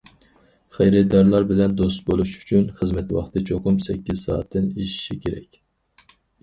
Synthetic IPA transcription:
χejɾɛd̪ɑɾlˠɑɾbɪlɛnd̪ost̪bolˠuʃy̥t͡ʃʰynχəzmɛt̪wɑ̰χt̪ʰɨt͡ʃʰoqʊmsɛkʲːiz̥sɑ̰ːt̪ʰːɨneʃi̥ʃikʲʰeɾɛ̰kʲ

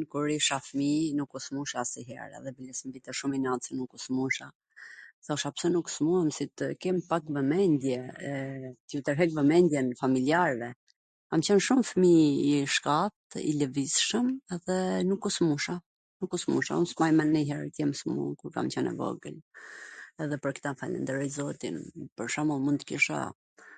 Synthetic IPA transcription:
nkuɾiʃafəminukusmuʃasiɦɛ̰ɾɛ̰ðɛbəlismvit̪ɛʃuminat͡sənukusmuʃa | sɛɔʃapsɛnuksmuamsit̪kɛmpakvəmɛnd̪jɛɛt̪jut̪əɾɦɛkvəmɛnd̪jɛnfamiliaɾvɛ | kamt͡ɕɛnʃumfmiiʃkat̪̚ḭləvisʃəmɛðɛnukusmuʃa | nukːusmuʃa̰unsmajmanɛɦɛɾt̪əjɛmsmṵkuɾka̰mt͡ɕɛnɛ̰vɔ̰ɡə̰l | ɛðɛpəɾkt̪afa̰lə̰nd̪əɾɛjzɔt̪ḭnpəɾʃamulˠmund̪kiʃa̰

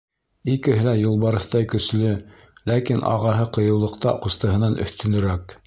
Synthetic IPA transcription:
ikɘ̆ɦɘlæjɤ̆lˠbɑɾɤ̆θt̪ɑjkɵ̆slɵ | lækinʔɑ̰ʁɑɦɤqɤ̆jɤ̆wlˠɤ̆qt̪ɑ̰qŏst̪ɤ̆ɦɤ̆nɑnʔɵ̰̆θt̪ɵ̆nɵ̆ɾæk

